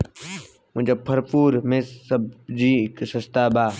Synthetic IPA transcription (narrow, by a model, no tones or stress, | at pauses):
mʊ̃d͡ʒaːpʰəɾpuːɾmẽːsəbd͡ʒiːksəst̪aːbaː